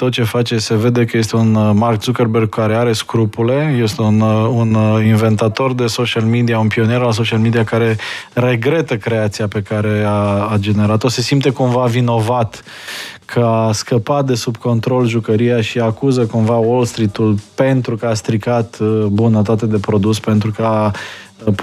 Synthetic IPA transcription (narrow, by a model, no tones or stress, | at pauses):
t̪o̞t̪̚t͡ʃe̞fat͡ʃese̞ve̞d̪e̞kəje̞st̪e̞unmark̚t̪sukərberɡ̚kaɾeaɾe̞skɾupule̞je̞st̪eununinve̞nt̪at̪o̞rd̪e̞so̞ʃialmid̪iaunpio̞neɾals̬o̞ʃialmed̪iakaɾe̞re̞ɡɾe̞t̪əkɾe̞at̪siape̞kaɾe̞aːd͡ʒe̞ne̞ɾat̪ose̞simpt̪e̞kumvavino̞vat̪ | kʰəaskəpat̪̚d̪e̞subko̞nt̪ɾo̞lʒukəɾijaʃiakuzəkumvawolst̪ɾit̪ulpe̞nt̪ɾukəast̪ɾikat̪bunət̪at̪e̞d̪e̞pɾo̞d̪uspent̪ɾukəa